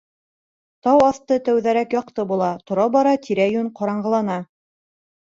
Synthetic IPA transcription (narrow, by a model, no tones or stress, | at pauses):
t̪ɑwɑθt̪ɤt̪æwðæɾækjɑq̚t̪ɤbulˠɑt̪ŏɾɑbɑɾɑt̪ʰiɾæjʉɴqɑɾɑɴɢɤ̆lˠɑnɑ